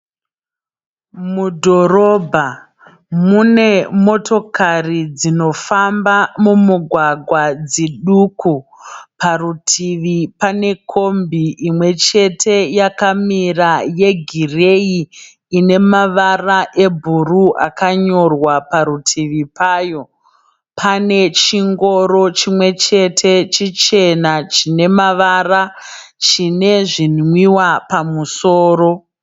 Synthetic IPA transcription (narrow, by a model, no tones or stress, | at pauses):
mudʱo̞ɾo̞bʱa | mune̞mo̞to̞karid͡zino̞fambamumuɡʱwaɡʱwad͡ziɗukʰuparutʰiʋipane̞kʰo̞mbiʔimwe̞t͡ʃe̞tʰe̞jakamiraje̞ɡʱire̞iː | ne̞maʋaraʔe̞bʱuruʔakaɲo̞rwapaɾutʰiʋipaːjo̞ | pʰane̞t͡ʃiŋɡo̞ɾo̞t͡ʃimwe̞t͡ʃe̞tʰe̞t͡ʃit͡ʃe̞nat͡ʃine̞maʋarat͡ʃine̞ʐinwiwapamusoːro̞